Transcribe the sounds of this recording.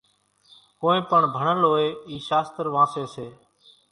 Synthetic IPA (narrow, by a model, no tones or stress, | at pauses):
koːẽːpəɳbʱəɳəlɦoːeːiːʃaːst̪əɾʋãːseːseː